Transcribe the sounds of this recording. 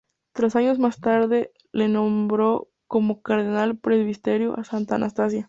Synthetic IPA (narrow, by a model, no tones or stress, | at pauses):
t̪ɾasaɲo̞zmast̪aɾðe̞ | le̞no̞mbɾo̞ | ko̞mo̞kaɾðenalpɾe̞zβist̪e̞ɾjoʔasant̪aanʔast̪asja